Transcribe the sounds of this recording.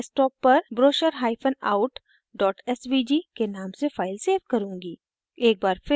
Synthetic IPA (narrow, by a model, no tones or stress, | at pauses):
sʈɔːpːɐɾbɾoːʃəɾɦaːɪpʰənaːʊʈ | ɖɔːʈɛsʋiːd͡ʒikenaːmsefaːɪlseːʋkɐɾũːŋɡiː | eːk̚baːɾfɪ